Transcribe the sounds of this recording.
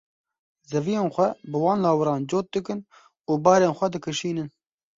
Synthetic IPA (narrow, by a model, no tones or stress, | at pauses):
zɛvijeːnxʷɛbɨwɑːnlɑːwɨɾɑːnd͡ʒoːt̪̚d̪ɨkɨn | uːbɑːɾeːnxʷɛd̪ɨkʰɨʃiːnɨn